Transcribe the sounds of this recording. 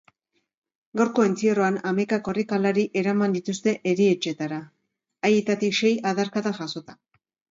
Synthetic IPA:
ɡawɾko̞ent͡siero̞anamajkako̞rikalaɾiʔe̞ɾamand̪it̪ust̪e̞ʔeɾie̞t͡ʃe̞t̪aɾaː | jet̪at̪ikʃe̞jaðaɾkaðaʝaso̞t̪ḁ

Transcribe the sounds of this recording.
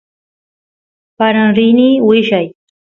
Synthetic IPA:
paɾanɾɪniːwɪʃaj

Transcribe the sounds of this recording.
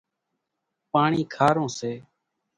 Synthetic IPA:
paːɳiːkʰaːɾõːseː

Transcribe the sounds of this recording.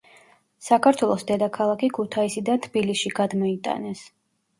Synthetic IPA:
sakʰaɾt̪ʰwɛlˠɔsd̪ɛd̪akʰalˠakʰikʰut̪ʰaisid̪ant̪ʰbilisʃiɡad̪mɔit̪ʼa̰nɛs

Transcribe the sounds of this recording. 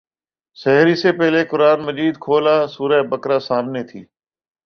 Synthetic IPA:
sɛɦɾiːseːpɛɦleːkʊɾaːnməd͡ʒiːd̪kʰoːlaːsuːɾəːbəkɾaːsaːmneːt̪ʰḭː

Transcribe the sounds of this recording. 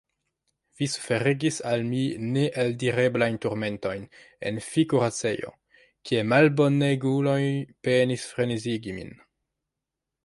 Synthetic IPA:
v̥isufe̞ɾeɡisalmineʔeldiɾe̞blajntuɾme̞nto̞jn | e̞̰nfikuɾat͡se̞jo̰ | kʰiemalbo̞neɡulojpenisfɾeniziɡimḭn

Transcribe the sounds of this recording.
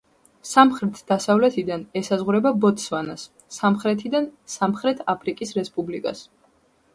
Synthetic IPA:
samχɾɛt̪ʰd̪̥asavlɛt̪ʰid̪anɛsazʁuɾɛbabɔt̪svanasː | amχɾɛt̪ʰid̪ansamχɾɛt̪ʰapʰɾikʼisɾɛspʼublikʼa̰s

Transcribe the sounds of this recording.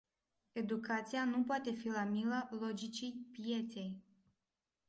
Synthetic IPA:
e̞d̪ukat̪sijanupoat̪e̞filamilalo̞d͡ʒit͡ʃijpije̞t̪se̞j

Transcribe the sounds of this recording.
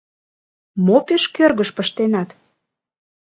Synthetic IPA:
mopeʃkørɣəʃpəʃt̪enɑt̪

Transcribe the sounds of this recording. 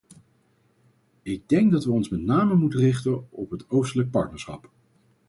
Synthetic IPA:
ɪɡ̚dɛŋɡ̚dɑtʋəɔnsmɛtnaːməmutərɪχtənɔpɦətowstələk̚pɑ̰ɹtnəɹsχɑ̰p

